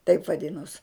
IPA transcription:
tɐɪp ʋɐˈdʲɪnoːs

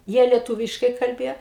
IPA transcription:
ˈjiɛ lʲiɛˈtuːʋʲɪʃkɐɪ kɐlʲˈbʲeːjɛ

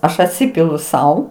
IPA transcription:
ˈɐʃ ɐtʲˈsʲɪpʲɪlˠʊ ˈsɐʊ

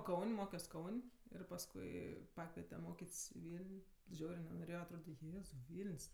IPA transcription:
ˈkɐʊnʲ ˈmoːkʲoːs ˈkɐʊnʲ ɪr pɐsˈkʊɪ ˈpɑːkʋʲiɛtʲɛ ˈmoːkʲeːtʲsʲ ɪ ˈʋʲiːlʲnʲ ˈʒʲɛʊrʲeː nʲɛnoːˈrʲeːjoː ɐtˈroːdʲɛ ˈjeːzɐʊ ˈʋʲiːlʲnʲsʲ

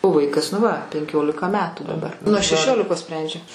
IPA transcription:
oː ˈʋɐɪkɐs nʊ ˈʋɐ pʲɛŋʲˈkʲoːlʲɪkɐ ˈmʲæːtuː dɐˈbɐr nuɔ ʃʲɛˈʃʲoːlʲɪkoːs ˈsʲpʲrʲɛnʲd͡ʒʲɛ

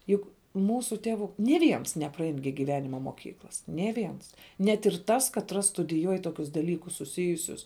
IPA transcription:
ˈjʊk ˈmuːsuː ˈtʲæːʋʊ nʲeː ˈʋʲiɛns nʲɛprɐˈɛɪn ɡʲɪ ɡʲɪˈʋʲæːnʲɪmɐ moːˈkʲiːklˠɐs nʲeː ˈʋʲiɛns nʲɛt ɪr ˈtɐs kɐtˈrɐs stʊdʲɪˈjuɔj ˈtoːkʲʊs dɐˈlʲiːkʊs sʊˈsʲɪjʊsʲʊs

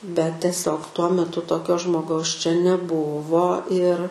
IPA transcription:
bʲɛt tʲɛˈsʲoːk tuɔ mʲɛˈtʊ toːˈkʲoː ʒmoːˈɡɐʊs t͡ʃʲɛ nʲɛˈbʊʋoː ɪr

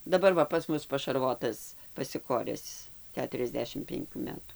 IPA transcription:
dɐˈbɐr ˈʋɐ pɐs ˈmʊs pɐʃɐrˈʋoːtɐs pɐsʲɪˈkoːrʲɛs ˈkʲæːtʊrʲɛzʲˌdʲæːʃʲɪm pʲɛŋʲˈkʲuː ˈmʲæːtuː

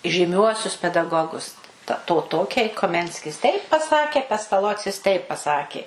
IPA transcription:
ʒʲiːˈmʲuɔsʲʊs pʲɛdɐˈɡoːɡʊs ˈtɐ ˈtoː ˈtoːkʲɛɪ koːˈmʲɛnʲsʲkʲɪs tʲɛɪp pɐˈsɑːkʲeː pʲɛstɐˈlˠoːt͡sʲɪs ˈtʲɛɪp pɐˈsɑːkʲeː

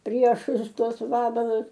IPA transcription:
ˈpʲrʲiɛʃʊs ˈtuɔs ˈʋɑːbɐlˠʊs

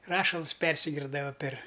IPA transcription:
ˈrɑːʃɐlˠs ˈpʲɛrʲsʲɪɡʲɪrdɐʋɐ pʲɛr

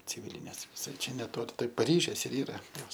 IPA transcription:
t͡sʲɪˈʋʲiːlʲɪnʲeːs ʋʲɪˈsɐɪ ˈt͡ʃʲɛ nʲɛˈtoːlʲɪ tɐɪ pɐˈrʲiːʒʲeːs ɪr ˈiːrɐ ˈjoːs

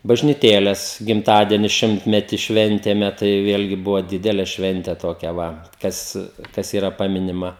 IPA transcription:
bɐʒʲnʲiːˈtʲeːlʲɛs ɡʲɪmˈtɑːdʲiɛnʲɪ ˈʃʲɪmʲtʲmʲɛtʲɪ ˈʃʲʋʲɛnʲtʲeːmʲɛ tɐɪ ˈʋʲeːlʲɡʲɪ ˈbʊʋoː ˈdʲɪdʲɛlʲɛ ˈʃʲʋʲɛnʲtʲɛ toːˈkʲɛ ˈʋɐ ˈkɐs ˈkɐs iːˈrɐ ˈpɑːmʲɪnʲɪmɐ

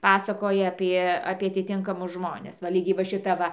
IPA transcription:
ˈpɑːsɐkoːjɛ ˈɑːpʲiɛ ɐpʲiɛ ɐtʲɪˈtʲɪŋkɐmʊs ˈʒmoːnʲɛs ʋɐ ˈlʲiːɡʲɛɪ ʋɐ ʃʲɪˈtɐ ˈʋɐ

